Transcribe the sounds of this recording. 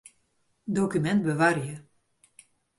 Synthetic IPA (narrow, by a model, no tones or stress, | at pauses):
doːkymɛntbəʋaɾjə